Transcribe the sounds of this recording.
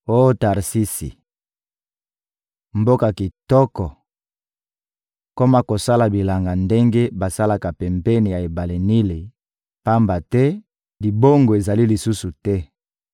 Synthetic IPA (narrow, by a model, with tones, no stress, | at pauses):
o˦jo˦ta˨ʁsi˦sḭ˨ | mbo˦ka˨ki˨tɔ˦kɔ˨ | ko˦ma˦ko˨sa˦la˨bi˨la˨ŋɡa˨nde˦ŋɡe˦ba˨sa˦la˨ka˨pɛ˨mpɛ˦ni˨ja˨e˨ba˨le˨ni˦le˨ | pa˦mba˨tɛ˦ | li˨bo˦ŋɡo˨e˨za˨li˦li˨su˦su˨tɛ˦